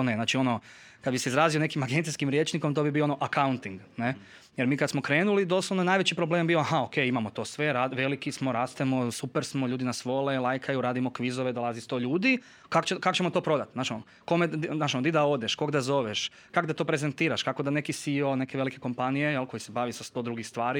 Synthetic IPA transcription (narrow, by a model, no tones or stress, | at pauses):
oneznaːt͡ʃio̞no | kad̪biseizɾaːzio̞nekimaɡent̪iskimɾjeːt͡ʃniko̞mt̪oːbibioonoʔakaunt̪iŋɡne | jeɾmiːkad̪smo̞kɾe̞ːnulid̪o̞ːslˠoʋnoenaːjʋet͡ɕipɾobleːmbioaɦaokejimamo̞t̪o̞ːsʋe̞ɾaʋe̞likismoɾaːst̪emo̞supeɾsmoʎuːd̪inasʋo̞lelˠajkʰajuɾaːd̪imo̞kʋizoʋed̪o̞lˠazist̪o̞ːʎuːd̪i | kakt͡ʃekakot͡ɕemo̞t̪o̞ːpɾo̞d̪at̪naːʃ | ko̞menaːʃonod̪id̪ao̞d̪eʃko̞ɡd̪azo̞ʋeʃ | kaɡd̪at̪o̞ːpɾezent̪iːɾaʃkako̞d̪ane̞kisio̞ne̞keʋe̞like̞ko̞mpanijejelˠko̞jisebaːʋisast̪o̞d̪ɾuɡixst̪ʋaːɾi